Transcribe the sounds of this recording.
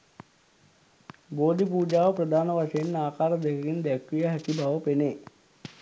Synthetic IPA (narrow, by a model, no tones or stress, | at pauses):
boːd̪ipuːd͡ʒaːʋəprəd̪ʱaːnəʋaʂejenːaːkaːɾəd̪ekəkind̪ækɾijəɦæt̪ibʱaʋəpeneː